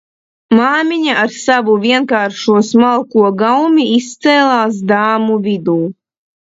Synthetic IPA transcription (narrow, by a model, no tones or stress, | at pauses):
maːmʲiɲaʔaɾsavuvʲiɛnkaːɾʃuɔsmalˠkuɔɡawmiist̪sɛːlˠaːs̬d̪aːmuvid̪uː